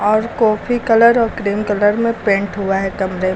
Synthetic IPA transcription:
ɔːɾkɔːfʰikɐləɾɔːɾkɾiːmkɐləɾmẽpẽːɳʈɦʊaɦɛkɐmɾe

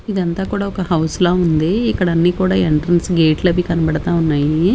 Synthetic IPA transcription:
id̪ɐnt̪aːkuːɽaːɔkɐhɐwsloːund̪iikːɐɽɐnːiːkuːɽaːeɳʈɾɐnsɡeːʈlɐbikɐnɐbɐɽɐt̪aːunːaːji

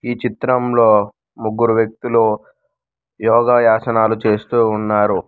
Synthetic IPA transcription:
iːt͡ʃit̪ɾɐmlo̞ː | muɡːuɾuʋjɐk̚t̪ulu | jɔːɡaːjaːsɐnaːlut͡ʃe̞ːst̪uːnːaːɾu

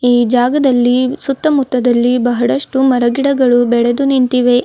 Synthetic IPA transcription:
iːd͡ʒaːɡɐd̪ɐlːisut̪ːɐmut̪ːɐd̪ɐlːibɐɦɐɽɐʂʈumɐɾɐɡiɽɐɡɐɭubɛɭed̪uniɳt̪iʋe

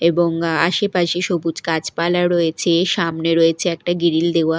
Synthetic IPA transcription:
eboŋa̰ʃepaʃeʃobud͡ʑkat͡ɕpalaɾojet͡ɕʰeʃamneɾoet͡ɕʰeɛk̚ʈaɡiɾild̪ewa

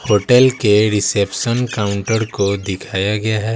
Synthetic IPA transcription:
hoːʈɛlkeɾɪseːpʃənkaːʊ̃ɳʈəɾkod̪ɪkʰaːjaɡɐjaɦɛː

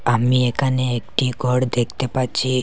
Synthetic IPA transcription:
amiekʰaneek̚ʈiɡʱɔɽd̪ekt̪epaɾt͡ʃʰi

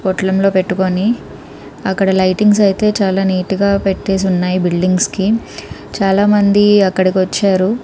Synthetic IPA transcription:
pɔʈɐlɐmlo̞ːpe̞ʈːuko̞ni | ɐkːɐɽɐlɐjʈiŋɡs̬ɐjit̪e̞ːt͡ʃaːlaːniːʈiɡaːpe̞ʈːe̞ːs̬iunːaːjibilɖiŋɡski | t͡ʃaːlaːmɐnd̪iɐkːɐɽikiʋɐt͡ʃːaːɾu

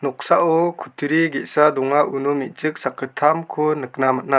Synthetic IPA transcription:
nɔk̚saʔɔkʰut̪ʰɾiɡeʔsad̪ɔŋaʔunɔmiʔ̚t͡ʃɯk̚sakɯt̪ʰamkʰɔnɯk̚namat̚na

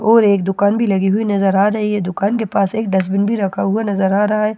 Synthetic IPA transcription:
ɔːɾeːkd̪ʊkaːnbʱilɐɡiɦuinɐzəɾaːɾɐɦiɦɛd̪ʊkaːnkepaːseːk̚ɖɐs̬bɪnbʱiɾɐkʰaɦuanɐzəɾaːɾɐɦaɦɛː

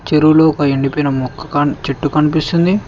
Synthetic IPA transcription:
t͡ʃeɾuloɔkɐeɳɖipɔjnɐmɔkːɐ̥kɐt͡ʃeʈːukɐnipist̪und̪i

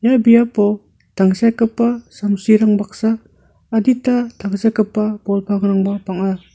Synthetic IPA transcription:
jabijapɔ | tʰaŋsajkɯpːasamsiɾaŋbak̚saː | ditatʰaŋsajkɯpːabɔlpʰaŋɾaŋbapaŋa

